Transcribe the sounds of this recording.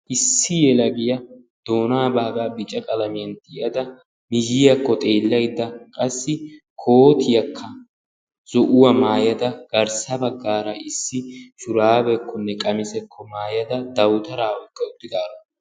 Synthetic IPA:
ʔɪsːɪjɛlɐɡɪjɐ | d̪̥o̞ːnaːbaːɡaːbɪt͡ʃʼːɐkʼɐlɐmɪjɐnt̪ːɪɪɐd̪ɐ | mɪd͡ʒɪjɐkːɔt̪ʼe̞ːlːɐjd̪ːɐkʼɐsːɪkʰo̞ːt̪ɪjɐkʰːɐ | z̥ɔʔʊwɐmaːjɐd̪ɐɡ̥ɐɾsɐbɐɡːaːɾɐʔɪsːɪʃʊɾaːbɛkːɔnːɛkʼɐmɪsɛkʰːɔmaːjɐd̪ɐd̪ɐwt̪ɐɾaːɔjkʼːɐʊd̪ːɪd̪aːɾɔ

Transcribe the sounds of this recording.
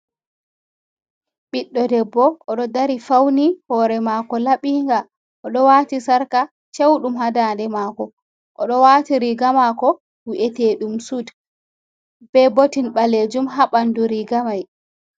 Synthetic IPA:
ɓiɗːɔdɛbːɔʔɔɗɔdaɾifawnihɔɾɛmaːkɔlaɓiːŋɡa | ʔɔɗɔwaːtisaɾka | t͡ʃewɗumhadaːndɛmaːkɔ | ʔɔ̰ɗɔwaːtiɾiɡamakɔ | wiʔɛtɛɗumsud | b̥ɛbotinɓaled͡ʒumɦaɓanduɾiɡamaj

